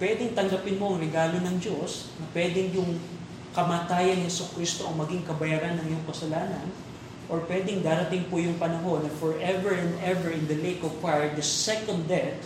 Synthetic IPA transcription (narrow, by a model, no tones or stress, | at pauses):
pwɛd̪ɛŋt̪ɐŋɡ̪ɐpɪnmo̞ʔɐŋɾɛɡaːlo̞nɐŋd͡ʒos | nɐpwɛd̪ɛŋjʊŋ | kɐmaːt̪aːjɐŋhɛsokɾist̪o̞ʔɐŋmɐɡɪŋkɐbɐjaːɾanːɐŋɪjoŋkɐsɐlaːnɐn | ʔoɹpwɛd̪ɪŋd̪aːɾɐt̪ɪŋpʊjʊŋpɐnɐɦo̞nːɐfɔɹʔɛvɛɹɛ̃nd̪ɛvɛɹɪ̃nd̪ɐlekovkajd̪ɐsɛkond̪d̪ːɛt̪̚